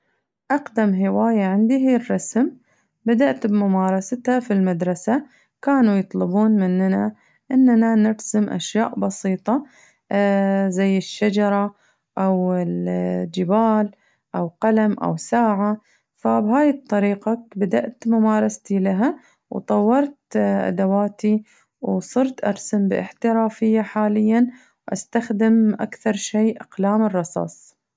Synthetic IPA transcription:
ʔaqd̪amɦɪwaːjaʕɪnd̪iɦirˤːɑsm | bad̪aʔt̪bmʊmaːɾˤɑsat̪hafilmad̪ɾˤɑsa | kaːnujɨt̪ˤlɪbuːnmɪnːna | ʔɪnːnanɪɾsɪmʔa̰ʃjaːʔbɑsiːt̪ˤɑ | zajːɪʃːad͡ʒɑɾˤɑ | ʔawɪld͡ʒɪbaːl | ʔawqɑlamʔa̰wsaːʕa | fabɦaːjɪt̪ˤːɑɾiːqakbad̪aʔt̪mʊmaːɾˤɑst̪ilaɦa | wt̪ˤɑwːɑɾˤt̪ʔa̰d̪awaːt̪i | wsˤɨɾt̪ʔɑɾˤsɪmbɪ̰ʔɪ̰ħt̪ɪɾaːfɪjːaħaːlɪjːan | wʔast̪axd̪ɪmʔa̰kθɑɾˤʃeːʔaqlaːmɪrˤːɑsˤɑ̰ːsˤ

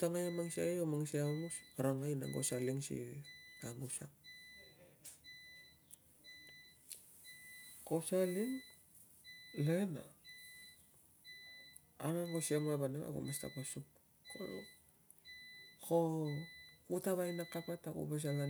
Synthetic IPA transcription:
utaŋajamaŋsia̰ajomaŋsiamusɾaŋajna̰ŋɡo̰saliŋsḭamusak̚ | kosaliŋ | lena̰ | aŋaŋɡosiamaβanaŋa̰ɡo̰masta̰pasup | ko̰lu | kʰo | utaβajnakapatakṵβas̬ala

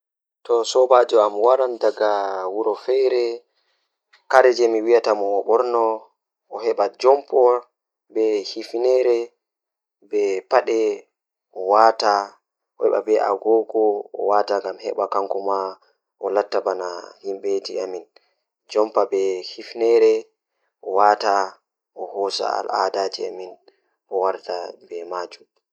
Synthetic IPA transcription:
tɔsɔbad͡ʒɔamwaɾandaɡawuɾɔfɛɾɛ | kaɾɛd͡ʒɛmiwijatamɔɔɓɔɾnɔː | ɦɛɓad͡ʒɔmpɔ | bɛhifnɛɾɛ | bɛpaɗɛ | ʔɔwata | ɔhɛ̰ɓa̰bɛʔa̰ɡɔɡɔɔ̰wataŋɡamhɛ̰ɓakaŋkɔma | ʔɔlatːabanahimbɛtiamin | d͡ʒɔmpabɛhifnɛɾɛ | ʔɔwata | ʔɔhɔsa̰a̰la̰dad͡ʒiamin | ɔwaɾtabɛmad͡ʒum

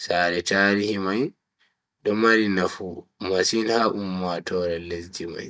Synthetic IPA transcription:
saːɗɛtaːɾihimaj | dɔmaɾinafumasinhaʔumːatɔːɾɛlesd͡ʒima̰j

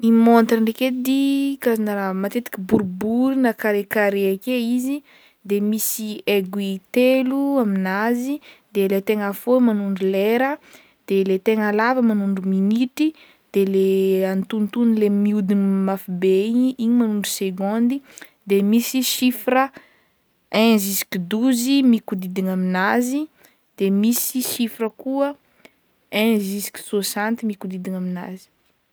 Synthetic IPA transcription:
nimont̪rəɳɖ͡ʐeked̪ikazinaɾamat̪et̪i̥kʲibuɾbuɾinakaɾekaɾeakeizi | d̪emisieɡit̪eluaminazid̪elet̪eŋafomanuɳɖ͡ʐuleɾə | d̪̥elet̪eŋalavəmanuɳɖ͡ʐuminiʈ͡ʂi | d̪̥eleant̪unt̪unlemiud̪inimafibeiɲʔiɲimanuɳɖ͡ʐuseɡõnd̪i | d̪emisiʃifɾə | ɛ̃zisi̥kid̪uzimikud̪id̪iŋaminazi | d̪̥emisiʃifirəkuə | ɛ̃zisi̥kʲi̥sosãnt̪imikud̪id̪iŋamina̰zi̥

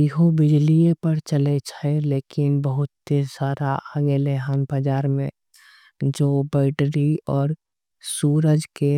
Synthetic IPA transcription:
ɪɦobɪd͡ʒliepəɾt͡ʃəlet͡ʃʰaeleːkɪnbəɦʊt̪ːesaːɾaʔaɡeːleɦanbəd͡ʒaːɾmẽ | d͡ʒoːbɛːɖɾiɔːɾ | suːɾəd͡ʒke

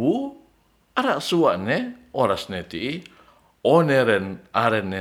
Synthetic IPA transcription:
u | aɾaʔsuaʔnɛoɾasnɛt̪iʔi | oneɾɛnaɾɛnːɛ

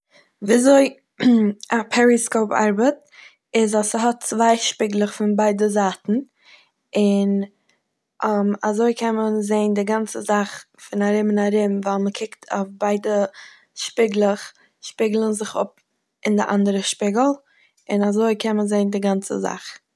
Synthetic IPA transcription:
viːazoɪ | apʰɛɾiskoʊpa̰ɾbət | ɪzasəɦɔt̚t͡svaɪʃpɪɡlˠəχfɪnbaɪdəzaːtn̩ | ɪn | mazoɪkʰɛmənzeɪndɪɡant͡səzaχ | fɪnaɾɪmɪnaɾɪmvalˠməkʰɪktʰo̰fbaɪdə | ʃpɪɡlˠəχ | ʃpɪɡlˠənzɪχʊ̰p̚ | ɪndɪʔa̰ndəɾəʃpɪɡl̩ˠ | ɪnazoɪkʰɛmənzeɪndɪɡant͡sə̰za̰χ

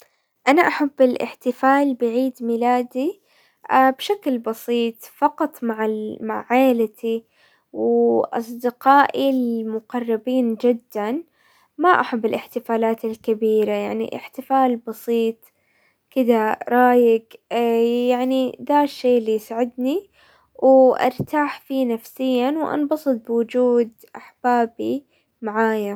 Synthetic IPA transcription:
ʔanaʔaħabːɪlʔɪ̰ħt̪ɪfaːlbɪʕiːd̪mɪlaːd̪i | ʔaːbʃaklbɑsiːt̪ˤfɑqɑt̪ˤmaʕamaʕaːlat̪ʰi | wʔɑ̰sˤd̪ɪqɑːʔilmʊqɑrˤːɪbiːnd͡ʒɪd̪ːan | maʔaħabːɪlɪħt̪ɪfaːlaːt̪alkabiːɾajaʕnḭʔɪ̰ħt̪ɪfaːlbɑsˤiːt̪ˤ | kɪd̪aɾˤɑːjɪɡ | jaʕnid̪aʃːeːʔlːijsaʕɪd̪ni | wʔɪʔɑ̰ɾˤt̪aːħfiːnafsɪjːanwʔɑ̰nbɑsˤɨt̪̚bɪwʊd͡ʒuːd̪ | ʔaħb̥aːbi | maʕaːja

